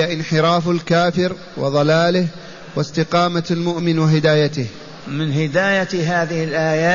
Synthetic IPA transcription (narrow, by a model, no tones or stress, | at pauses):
aʔɪnħɪɾˤɑːfalkaːfɪɾ | wʔɪ̰ðˤɑlaːlɪh | wɪst̪ɪqɑːmalmʊʔmɪnwaɦɪd̪aːjat̪ɪh | mɪnɦɪd̪aːjaɦaːðɪhɪlʔaːjaː